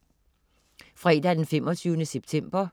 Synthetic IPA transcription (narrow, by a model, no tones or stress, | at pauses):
fʁɛ̰ːd̥æd̥enfem̰ɒt͡sʰyːʊnəseb̥̚t͡sʰem̰b̥ɐ